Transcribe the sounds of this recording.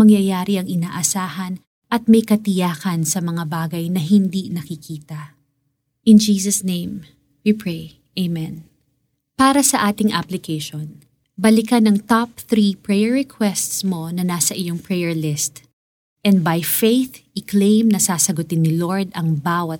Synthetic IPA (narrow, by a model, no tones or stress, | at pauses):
mɐŋjɐjaːɾiɐŋɪnaːʔɐsaːhɐn | ʔɐt̪̚mɐjkɐt̪ɪjaːkɐnsɐmɐŋabaːɡɐjnɐɦɪnd̪inɐkɪkʰiːt̪ɐ | ʔɪnd͡ʒiːsɐsnẽjm | wipʰɹej | ʔejmɛ̃n | paːɾɐsɐʔaːt̪ɪŋʔaplɪkejʃon | bɐlɪkɐnɐŋt̪ap̚θɾipɹɛjɛɹɛkʰwɛst̪smo̞nɐnaːsɐʔɪjoŋpɹɛjɛɹlɪst̪ | ʔɛnd̪̚bɐjfejθʔɪklẽjmnɐsaːsɐɡʊt̪ɪnːɪloɹd̪ɐŋbaːwɐt̪̚